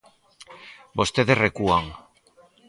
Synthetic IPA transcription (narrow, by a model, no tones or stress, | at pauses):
bo̞st̪eðerekuaŋ